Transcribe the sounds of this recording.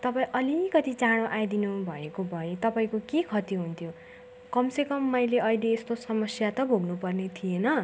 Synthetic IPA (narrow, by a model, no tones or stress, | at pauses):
t̪ʌpaĩʔʌlikʌt̪it͡saɽ̃õʔajd̪inubʱʌekobʱʌet̪ʌpaĩkokekʰʌt̪iɦunt̪ʰjo | kʌmsekʌmːʌjleʌileːst̪osʌmʌsjat̪ʌbʱoɡnupʌrnet̪ʰijenʌ